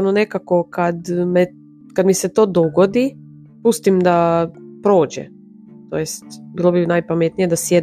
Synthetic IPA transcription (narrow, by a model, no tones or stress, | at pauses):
nonekakokad̪me | kad̪miset̪oːd̪oɡod̪i | pust̪imd̪apɾo̞ːd͡ʑɛ̰ | t̪o̰jest̪biːlˠobinajpamet̪nije̞d̪asjed̪